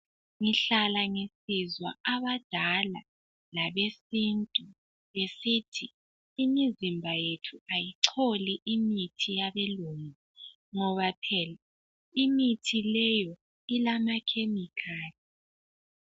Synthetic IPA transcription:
ŋiɬalaŋesizwa̰aβad̥ʱala̰ | laβesintʼu | βesitʰiː | mizimbʱajetʰuajiǀʰoliʔimitʰijaβɛluŋi | ŋɔβapʰɛla | imitʰilɛjɔ | ilamakʰemikʰaːli

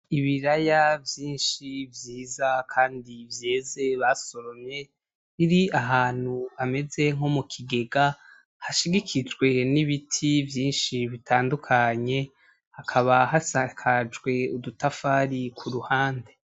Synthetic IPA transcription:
iβiɾajavjiːnʃivjiːzakʰaːndivje̞ːze̞βaso̞ɾomɲe̞ | βiɾiaɦaːn̥huame̞ze̞ŋ̥ho̞mukʰiɡe̞ɡa | haʃiɡikʰid͡ʒɡwe̞niβitʰivjiːnʃiβitʰaːndukʰaɲe̞ | hakʰaβahasakʰad͡ʒɡwe̞udutafaːɾikʰuɾuhaːnde̞

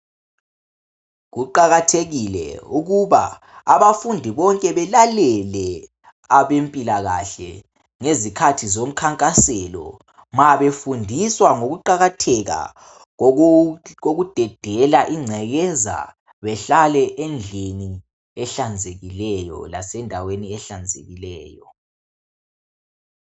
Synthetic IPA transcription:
ɣuǃaɣatʰeɣilɛ̰uɣuβa̰ː | βafundʱiβɔŋkʼɛβɛlalɛlɛ | aβempʼilaɣaɬɛ̰ | ŋezikʰatʰizom̩kʰaŋkʼasɛlɔ̰ | maβefundʱiswaŋoɣuǃaɣatʰɛɣa̰ | ɣoɣud̥ʱɛd̥ʱɛlaʔiŋ͡ǀʱɛɣɛza̰ | βɛɬalɛʔend͡ɮʱini | ɛɬand͡zʱeɣilɛjɔ̰la̰sɛndʱaweniɛɬand͡zʱḛɣilɛːjɔ

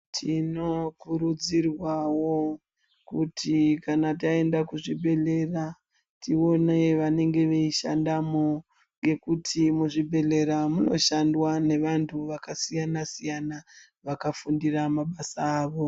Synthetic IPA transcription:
tʰino̞kuɾud͡zirwawo | kutʰikanat̬ae̞ndakuʐibʱe̞le̞ra | tʰio̞neʋane̞ŋɡe̞ʋe̞iʃa̰ndamo | ŋɡe̞kutʰimuʐibʱe̞le̞ɾamuno̞̰ʃandwane̞ʋantʰuʋakasijanasijana | ʋakafundiramaɓasaːʋo̞

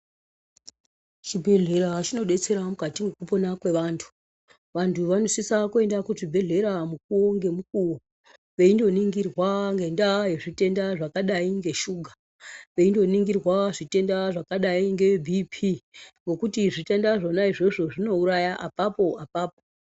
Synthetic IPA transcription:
t͡ʃibʱe̞ɮe̞ɾat͡ʃino̞ɗe̞t͡se̞ɾamukatiŋekupo̞nakwe̞ʋaːntʰu̥ | ʋantʰuʋano̞sisakue̞ndakuʐibʱe̞ɮe̞ɾamuk̚uwo̞ŋɡe̞mukuwo | ʋe̞indo̞niŋɡirwaŋɡe̞ndaje̞ʐite̞ndaʐakaɗaiŋɡe̞ʃuːɡʱa | ʋe̞indo̞niŋɡirwaʐite̞ndaʐakaɗaiŋɡeebʱipʰiŋɡo̞kutiʐite̞ndaʐonaiʐe̞ʐo̞ʐino̞uɾajaʔapapo̞apaːpo

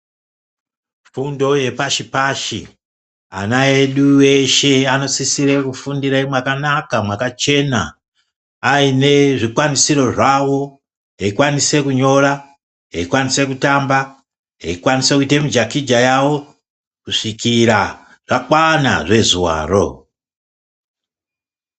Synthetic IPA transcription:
fundo̞je̞paʃipaʃḭ | a̰naeɗuweʃe̞ano̞sisiɾekufundiɾaimwakanakamwakat͡ʃe̞na̰ː | ine̞ʐikwanisiɾo̞ʐawo̞ | ɦeikwanise̞kuɲo̞ɾa | ɦeikwanise̞kutamba | ɦeikwanisekuitemid͡ʒakid͡ʒajawo̞ | kuʂikiɾa | ʐ̥akwana̰ʐe̞zuwa̰ːro̞̰

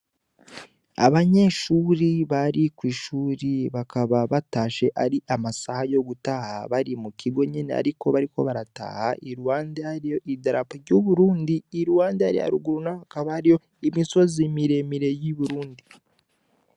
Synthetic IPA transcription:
a̰βaɲe̞ʃuːɾiβaɾikwiːʃuːɾiβakaβaβataːʃe̞ʔaɾiʔamasahajo̞ɡutaha̰βaɾimukiɡo̞ɲinea̰ɾiko̞βaɾiko̞̰βaɾata̰ːhaʔiɾuwaːndeaɾijo̞idaɾapaɾɟuβuɾuːndiːɾuwaːndeaɾiha̰ɾuɡuɾunaakaβaːɾijo̞ | imiso̞zimiɾe̞miɾe̞jiβuɾuːndi

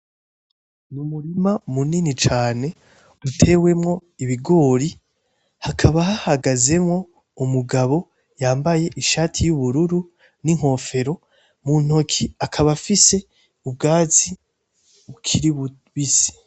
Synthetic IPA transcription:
numuɾimamuninit͡ʃaːne̞ | utʰe̞ːwe̞mŋo̞iβiɡo̞ːɾi | hakʰaβahahaɡaze̞mŋo̞ | umuɡaβo̞ | jaːmbaje̞ʔiʃaːtʰijuβuɾuɾu | niŋ̥o̞ːfe̞ɾo̞ | mun̥o̞kʰiakʰaβafise̞ | ub̚ɡaːzi | ukʰiɾi | βisi̥

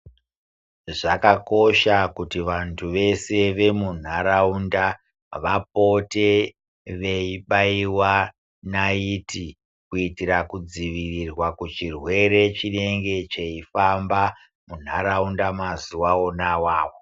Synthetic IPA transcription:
ʐakako̞ʃakutiʋantʰuʋe̞se̞ʋe̞mun̤aɾaunda | ʋapo̞te̞ | ʋe̞iɓaiwa | naiti | kuitirakud͡ziʋirirwakut͡ʃirwe̞ɾe̞t͡ʃine̞ŋɡe̞t͡ʃe̞ifamba | mun̤aɾaundamazuwao̞nawaːwo

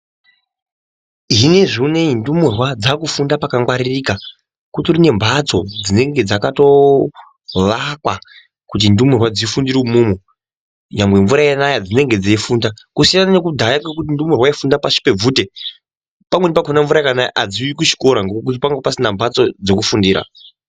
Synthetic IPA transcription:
ɦine̞ʐine̞indumurwad͡zakufundapakaŋɡwaɾirika | kuturine̞mbʱat͡so̞d͡zine̞ŋɡe̞d͡zakato̞ | ʋakwa | kut̬indumurwad͡zifundiɾiumuːmu | ɲambwe̞ɱvuɾajanajad͡zine̞ŋɡe̞d͡zaifuːndakusijanane̞kudʱajakak̬ut̬indumurwaifundapaʃi̥pe̞b͡vuːte̞ | pamwenip̬akʰonaɱvuɾajakanajʔad͡ziwikut͡ʃi̥ko̞ɾaŋɡokk̬ut̬ipaŋɡepasinambʱat͡so̞d͡ze̞kufundiːɾa̰

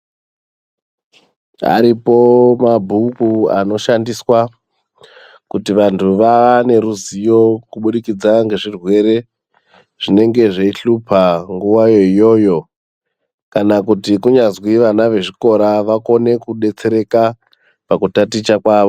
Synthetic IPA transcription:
a̰ɾipo̞mabʱukua̰no̞ʃandiswa | kutiʋantʰuʋane̞ɾuzijo̞kuɓuɗikid͡zaŋɡe̞ʐirwe̞ɾe̞ | ʐ̥ine̞ŋɡe̞ʐeiɬupʰaŋɡuwajo̞ijo̞ːjo̞ | kanakutikuɲazwiʋanaʋe̞ʐiko̞ɾaʋako̞ne̞kuɗe̞t͡se̞ɾe̞ka | pakutatit͡ʃakwaːʋo̞

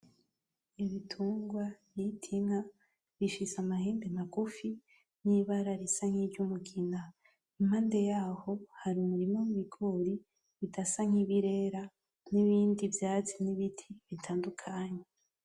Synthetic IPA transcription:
iβitʰuːŋɡwajitʰiŋa | βiʃisamaheːmbemakufi | niβaɾaɾisaŋ̥hiɾɟumuɡina | im̥haːnde̞jaːho̞haɾiumuɾimomuβiɡoːɾi | βitasaŋ̥iβiɾeːɾa | niβiːndivjaːt͡siniβitʰiβitʰaːndukʰaɲe

